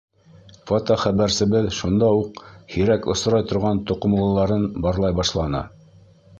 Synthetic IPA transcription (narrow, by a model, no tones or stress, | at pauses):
fot̪oχæβæɾsɘ̆βɘðʃund̪ɑuqhiɾækŏ̰s̆ɾɑjt̪ŏɾʁɑnt̪ŏqŏm̆lˠɤ̆lˠɑɾɤnbɑɾlˠɑjbɑʃlˠɑnɑ̰